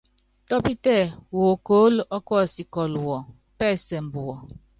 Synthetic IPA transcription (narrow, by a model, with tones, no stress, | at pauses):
tɔ˦pi˦tɛ˦˨woː˨ko˦lʔɔ˦kɔ˦˨si˨kɔ˨lwɔ˨ | pɛː˦˨sɛ˨m̩˨bu˨wɔ˨